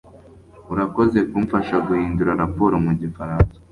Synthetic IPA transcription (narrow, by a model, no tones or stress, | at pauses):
uɾako̞ze̞kumfaʃaɡuhiːnduɾaɾapo̞ːɾomuɟifaɾaːnsḁ